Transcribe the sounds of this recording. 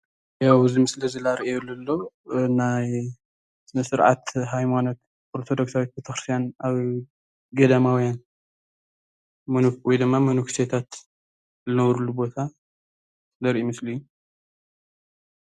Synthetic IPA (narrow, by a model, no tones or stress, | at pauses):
jawɨzimɨslɐzɨlaɾiʔejlɐlːo | naj | snɐsɨɾʕa̰t̪ɦajmanot̪ | oɾt̪ʰo̞d̪o̞ksawit̪̚bet̪ʰɐxɾɨst̪ʰijanaβ | ɡɐd̪amawɔjan | mɐnuwɔjd̪ɨmːamɐnukset̪ʰat̪ | zɨnɐβɾulubo̞t̪ʰa | zɐɾʔimɨsliːu